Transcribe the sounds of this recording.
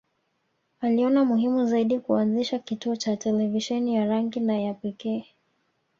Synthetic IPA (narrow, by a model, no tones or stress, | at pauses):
aliɔnamuɦimuzaiɗikuanziʃakituɔt͡ʃatɛlɛviʃɛnijaɾaŋɡinajapɛkɛː